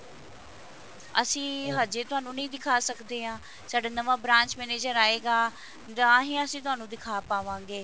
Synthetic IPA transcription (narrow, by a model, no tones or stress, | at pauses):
əsĩːɦaːd͡ʒeːt̪ʊɦaːnũːnəĩːd̪ɪkʰaːsəkd̪eːɦãː | saːɖaːnəʋaːbɾãːɲt͡ʃmɛːneːd͡ʒəɾaːeːɡaː | d̪ãːɦĩːəsĩːt̪̬ʊɦaːnũːd̪ɪkʰaːpaːʋãːŋɡeː